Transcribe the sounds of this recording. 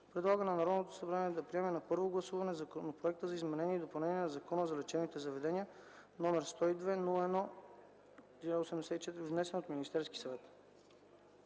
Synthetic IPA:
pɾɛd̪lˠaɡənɐnɐɾɔd̪not̪o̥sɐbɾaniɛd̪ɐpɾiɛmɛnɐpɤɾvoɡlˠɐsuvɐnɛzɐnɐpɾoɛk̚t̪əzɐizmɛnɛnʲiɛid̪opɐlˠnɛnʲɛnɐzɐkɔnəzɐlɛt͡ʃɛnit̪ɛzɐvɛd̪ɛnʲiə | nɔmɛɾst̪ɔid̪vɛnulˠəɛnɔ | d̪iaosɛmd̪ɛsɛit͡ʃɛt̪ɾivnɛsɛnot̪minist̪ɛɾski̥sɐvɛt̪

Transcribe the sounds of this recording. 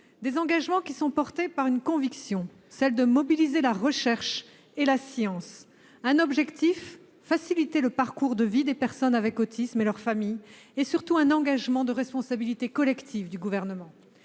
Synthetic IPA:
d̪ezɑ̃ɡaʒmɑ̃kʲisɔ̃pɔʁt̪epaʁynkɔ̃viksjɔ̃ | sɛld̪əmɔbilizelaʁəʃɛʁʃ | elasjɑ̃s | ɛ̃nɔbʒɛkt̪ifː | asilit̪eləpaʁkuʁd̪əvid̪epɛʁsɔnavɛkot̪ʰismelœʁfamijesyʁt̪uɛ̃nɑ̃ɡaʒmɑ̃d̪əʁɛspɔ̃sabilit̪ekɔlɛkt̪ʰivd̪yɡuvɛʁnəmɑ̃

